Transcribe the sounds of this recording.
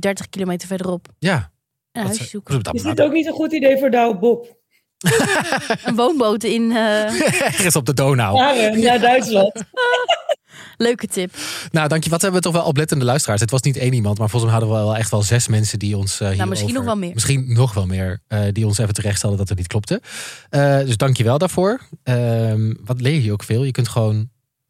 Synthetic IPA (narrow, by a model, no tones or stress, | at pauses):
dɛɹtəχkilomejtəɹvɛɹdərɔpjaː | ənɦœssukd̰ɪsdɪtowk̚nitənχutidejvʊːɹdawbɔp | ənʋownbowtɪn | ɛɹχənsɔb̚dədownawarənaːdœɥtslɑnt | løɥkətɪpnawdɑŋkjəʋɑtɦɛbəʋətɔχʋɛlˠɔp̬lɛtəndəlœɥstəraːɹsɦətʋɑsnitejnimɑntmaːɹfɔlsmɛɦɑdəʋəlˠɛχtʋɛlˠzɛsmɛnsədiɔnsɦiɹmɪinɔχʋɛlˠmɪːɹmɪsχinnɔχʋɛlˠmɪːɹədiɔnsefəntərɛχtstɛlˠdədɑtətnit̚klɔp̚təədɵzdɑŋkjəʋɛlˠdaːɹv̥ʊːɹəmʋɑtlɪːɹiəowkfɪːlˠjəkɵntχəʋown